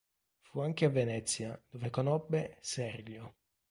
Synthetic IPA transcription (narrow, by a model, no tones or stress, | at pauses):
fuaŋk̟eavːenɛt̪sːjad̪̥ovekonɔbːesɛrɡjo